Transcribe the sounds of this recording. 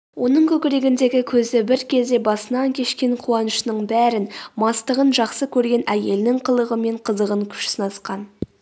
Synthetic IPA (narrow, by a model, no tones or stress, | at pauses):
wʔo̞nəɴkʲʰɵkʲɪɾe̞ɡʲɪnd̪e̞ɡʲɪkʲʰɵzɪbɪɾkʲʰe̞zd̪e̞bɑsənɑŋkʲʰe̞ʃkʲe̞ɴqʰuɑnəʃnəɴbæɾɪnmɑst̪əʁənʒɑqsəkʲʰɵɾɡʲe̞næje̞lnɪŋqʰəlˠəʁəme̞ɴqʰəzəʁəŋkʲʰʏ̥ʃsənɑsqɑn